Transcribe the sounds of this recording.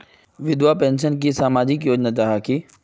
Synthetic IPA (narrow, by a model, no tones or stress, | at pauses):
ʋɪd̪wapẽːnʃənk̬isaːmaːd͡ʒɪkjoːd͡ʒnad͡ʒaɦaki